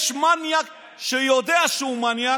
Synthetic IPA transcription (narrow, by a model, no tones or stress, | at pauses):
ʃmanijak | ʃəjod̪eaʃumanija